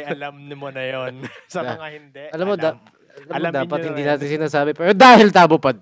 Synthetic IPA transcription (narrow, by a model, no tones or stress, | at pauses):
lɐmnmonɐjonsɐaahɪnʔɐlamːod̪a | ʔɐlamod̪aːpɐt̪hɪnd̪iːnaːt̪ɪnsɪnaːsaːbɛpɛːɾod̪aːhɪlt̪aːbʊpad̪̚